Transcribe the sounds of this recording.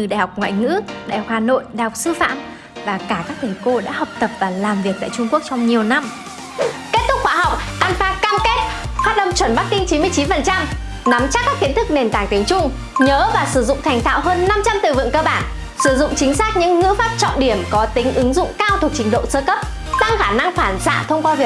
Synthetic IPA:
ɨ˨˩ɗa̰˧˨˩hɔ˨˩k͡p̚ŋwa̰ː˧˨jŋɨ̰˧˥ɗa̰ː˧˨jhɔ˨˩k͡p̚haː˨˩no̰˧˨jɗa˧˨jhɔ˨˩k͡p̚sɨ˧fa̰ː˧˨m | vaː˨˩kaː˧˩kaː˦˥k̚t̪ʰə˨˩jko˧ɗa̰ː˧˥ɦə˨˩wk͡p̚t̪ə˨˩p̚vaː˨˩laː˨˩mvi˨˩ək̚t̪a̰ː˧˨t͡ɕʊ˧ŋ͡mku˦˥ək̚t͡ɕɔ˧wŋ͡mɲi˨˩əwna˧m | ke˦˥t̚t̪ʰʊ˦˥k̚xwaː˧˩ɦa˨˩wk͡p̚ʔaː˧nfaː˧kaː˧mke˦˥t̚faː˦˥t̚ɗə˧mt͡ɕwə˧˩nɓa˦˥k̚kï˧ŋ̟t͡ɕi˨˦nmɨ˧əjt͡ɕi˨˦nfə˨˩nt͡ɕa˧m | na˨˦mt͡ɕaː˦˥kːaː˦˥k̚ːi˨˦ənt̪ʰɨ˦˥k̚ne˨˩nt̪aː˨˩ŋt̪i˨˦əŋt͡ɕʊ˧ŋ͡m | ɲəː˨˦vaː˨˩sɨ˧˩zʊ̰˧˨ŋ͡mt̪ʰa˨˩jŋ̟t̪ʰa̰ː˧˨wɦəː˧nːa˧mt͡ɕa˧mt̪ɨ̰˧˨˩vɨ̰˧˨əŋkəː˧ɓaː˧˩n | sɨ˧˩zʊ̰˧˨ŋ͡mt͡ɕï˨˦ŋ̟saː˦˥k̚ɲɨ̰˧˥ŋːɨ̰˧˥faː˦˥p̚t͡ɕɔ̰˧˨nɗi˧˩əmkɔ˨˦t̪ï˨˦ŋ̟ʔɨ˨˦ŋzʊ̰˧˨ŋ͡mkaː˧wt̪ʰu˨˩ək̚t͡ɕï˨˦ŋ̟ɗo̰˧˨səː˧kə˦˥p̚ | t̪a˧ŋxaː˧˩na˧ŋfaː˧˩nsa̰ː˧˨t̪ʰə˧wŋ͡mkwaː˧vi˨˩ək̚

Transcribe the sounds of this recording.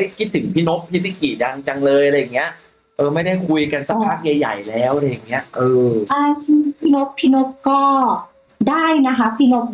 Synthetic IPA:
a˥˩jkʰi˦˥t̪ʰːɯ˩˦ŋpʰi˦˥no˦˥p̚ːʰi˦˥li˦˥˩ki˨˩da˧ŋt͡ɕa˧ŋlɤː˧jʔa˧ɾa˧jːa˨˩ŋːi˦˥ɐ | ʔɤː˧ma˥˩jda˥˩jkʰu˧jka˧nsa˦˥pʰaː˦˥k̚ja˧jːa̰˨˩jlɛː˦˥wʔaɾa˦jːa˨˩ŋːi˦˥ɐʔɤː˧ʔaː˧sʰi˥pʰi˦˥no˦˥pʰːi˦˥no˦˥p̚kɔː˥˩ | daː˥˩jna˦˥kʰa˦˥pʰi˦˥no˦˥p̚

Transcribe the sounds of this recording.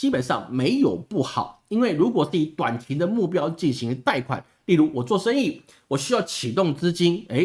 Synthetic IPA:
t͡ɕi˥pə˨˩nʂɑ̰˥˩ŋme˧˥ɪjo˨˩ʊpu˥˩xɑ˨˩˦ʊi˥nwe˥˩ɪɻu˧˥kwɔ˨˩ʂ̩˥˩i˨˥t̪wa˨˩nt͡ɕʰi˧˥nd̪ə˨mu˥˩pjɑ˥ʊt͡ɕi˥˩nɕi˧˥ŋt̪a˥˩ɪkʰwa̰˨˩˦n | li˥˩ɻu˧˥wɔ˨˩t͡swɔ˥˩ʂə˥ni˥˩ | wɔ˨˩ɕy˥jɑ˥˩ʊt͡ɕʰi˨˩t̪ʊ˥˩ŋt͡sɹ̩˥t͡ɕi˥ne˧˥ɪ

